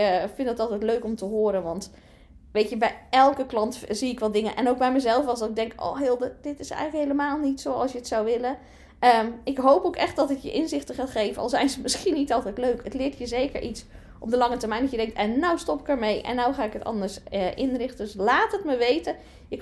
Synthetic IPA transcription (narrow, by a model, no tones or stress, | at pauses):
fɪndɑtɑlˠtɛjtløɥkɔmtəɦʊːɾənʋɑnt | ʋejtəbɛjɛlˠkəklɑntziɪkʋɑtdɪŋənʔɛ̰nowk̚bɛjməzɛlˠfɑsdɑtɪɡ̚dɛŋko̰wɦeːlˠdəd̥ɪtɪsɛ̰jxχnləkɦejləmaːlˠnitsowɑ̰lˠsjəətsowʋɪlə | əmɪkɦowpowkɛχt̚dɑtɪkjə̰ʔɪnzɪχtəχaːtχejvənʔɑ̰lˠzɛjnzəmɪsχinːitɑlˠtɛjtløɥkətlɪːɹtʰjəzejkəɹʔits | ʔɔpdəlɑŋətəɹmɛjndɑtjədɛŋktɛnːawstɔpɪ̥kəɹmejʔɛ̰nːawχaːɪkətɑ̰ndəɹsəʔɪnrɪχtəslaːtətməʋejtə | jə